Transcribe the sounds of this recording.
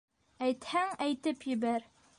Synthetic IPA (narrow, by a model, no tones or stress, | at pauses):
æjt̪hæŋæjt̪ɘpjɘ̆bæɾ